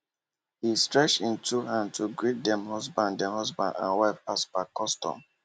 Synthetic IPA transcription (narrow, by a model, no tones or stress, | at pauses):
histɹɛt͡ʃĩntuhãntʰuɡɹit̚dɛ̃mhɔzbãnddɛ̃hɔzbã̰ndã̰nwaɪfasbakɔstɔ̰̃m